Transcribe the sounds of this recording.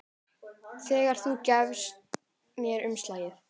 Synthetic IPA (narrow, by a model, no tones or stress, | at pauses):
θɛːɣaɾ̥θucɛvst̪̚ | mjɛɾʏmst̪laːjɪθ